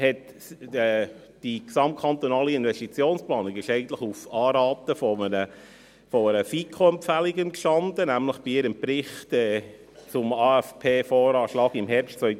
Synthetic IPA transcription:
hɛt | ɛ | d̥iksɑmt̚kʰɑnt̪onɑːliɪnʋɛstit͡sjoːnsplɑːnikɪʃɛɪɡən̩t̪ləχufɑːɾɑːt̪əfɔmənə | fɔəɾəfikʰoɛmpfæliɡənkʃtɑnd̪ənæmləχb̥iɪɾəmpɾɪχtɛː | t͡sʊmɑːæfpʰeːfɔːɾɑːʃlɑːɡɪmɦɛɾpʃtt͡sœʏ

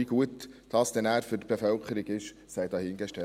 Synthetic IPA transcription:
iɡ̥uətd̥ɑstɛnæːɾfyt̚b̥efœlkχəɾiɡ̥ɪʃ | sɛjd̪ɑhɪŋɡɛʃtɛ

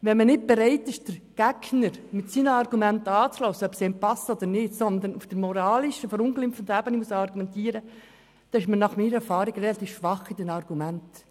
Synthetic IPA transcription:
vɛnmənɪt̚b̥ɛɾɛɪt̪ɪʃd̥əɾɡ̥ɛɡnəɾmɪtsiːnəɑɾɡumɛntɑːt͡slɔːsəœpsɛmpɑsod̪əɾnɪdsɔnd̪ənufd̥əɾmɔɾɑːlɪʃəfɔɾʊnklɪmfən̩dæbənimusɑɾɡumɛntiːəɾə | d̥ɑɪʃmənɑχmiːɾəɛɾfɑːɾɪɡrɛlɑt̪iːfʃʋɑχidɛnɑɾɡ̥umænt

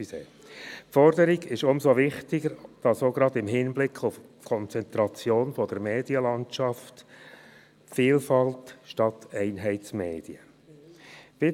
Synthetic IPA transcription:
seː | fɔɾdəɾiɡɪʃʊmsovɪχtɪɡəɾd̥ɑsoɡɾɑd̪ɪmɦɪnblɪkʰʊfkʰɔnt͡sɛnt̪ɾɑt͡sjoːnfɔd̥əɾmeːdiəlɑnt͡ʃɑft | fiːlfɑltʃtɑtɛɪnɦɛɪtsmeːd̥iə | v̥ɪ

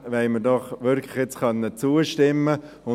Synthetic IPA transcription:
ʋɛmədɔχʋʏɾkʰlɪχjet͡sχœnːət͡suːəʃtɪmːə | ʊ

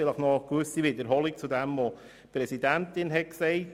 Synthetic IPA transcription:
fɪləχnɔkʋøsiʋɪd̪əɾɦɔlik̚t͡sud̪æmʋo | pɾɛsidæntɪnɦɛt̚ksɛɪ

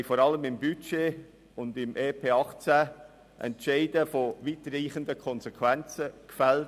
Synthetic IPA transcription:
ɪfoːɾɑləmɪmbyt͡ʃeː | ʊndɪmʔeːpʰeːɑχt͡sæ | ʔɛ̰ntʃeɪdəfoviːtəriːχəndəkʰɔnsekʰvɛnt͡səkfæl

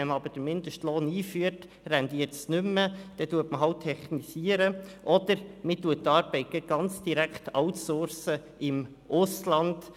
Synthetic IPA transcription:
ɛmɑbəɾd̥əɾmɪnd̪əʃtloːniːfyəɾt | rɛndiːətsnʏmːəd̥ɛtuətməɦɑwt̪ʰːɛχnisiəɾəʔɔd̪əɾmɪtuətːɑːɾb̥ɛɪt̚ɡ̥ɛɡ̥ɑnt͡sd̥iɾækχtɑʊtsʊɾsə | ɪm | ʔʊslɑnd̥

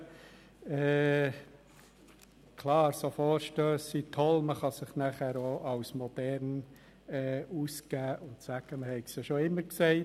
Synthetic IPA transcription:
ɛː | kʰlɑːɾsofoːɾʃtøːsitʰɔlməχɑsɪχnæχæːɾoʔɑwsmɔd̥ɛɾn | ɛʔuːskæːʔʊntsæɡ̥əməhɛɪksəʃoɪmːəɾksɛɪt

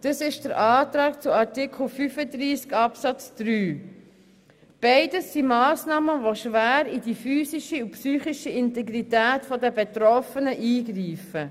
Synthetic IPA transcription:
d̥əsɪʃd̥əɾʔɑːtɾɑːkt͡suɑɾtikʰl̩ˠfyfəd̪ɾiːskɑpsɑt͡sd̪̥ɾyː | b̥eɪdəsːimɑːsnɑːməʋoʃʋæːɾidifyːsiʃəupsyːχiʃəɪntɛɡɾitæːtfɔdəbɛtɾɔfənəʔiːɡɾiːfə

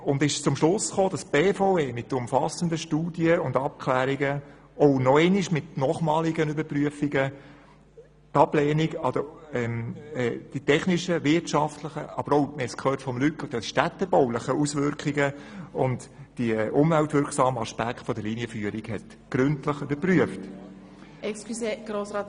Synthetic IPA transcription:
ʊndɪʃt͡sʊmʃlʊsχoːd̥ɑsb̥eːfoʊeːmɪt̪ːʊmfɑsəndəʃtuːd̥iəʊndɑp̚kʰlæːɾiɡə | ɔʊnɔɛniʃmɪtnɔːχmɑːliɡənybəɾpryəfiɡə | tɑb̥lɛːniɡɑd̥əɛmɛːd̥itɛχniʃəʋɪtʃɑftləχə̰ɑb̥əɾɔʊmɛskχøːtfɔmlykədod̥iʃtæt̪ːəbɔʊləχəusʋʏɾkʰiɡəʊndd̥iʔʊmvæltʋʏɾksɑːməɑʃpækχtfɔd̪əliniəfyːəɾiɡhɛt | ɡ̥ɾʏntləχybəɾpryəft | ɛksklyseɡ̥ɾoːsɾɑːt

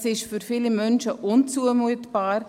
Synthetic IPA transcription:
sɪʃfyɾfɪlimœnʃəʔʊnt͡suəmuətb̥aːɾ

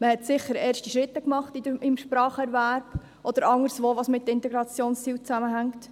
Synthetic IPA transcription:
məhɛtsɪχəɾɛːɾʃtiʃɾɪt̪ːəkmɑχt̪idəɪmʃpɾɑːχɛɾvæɾb̥ | ʔɔd̪əɾɑŋəɾsʋoːʋɑsmɪt̪̚ːɪnt̪ɛɡɾɑt͡sjoːnst͡siːwt͡sæməɦæŋt̪

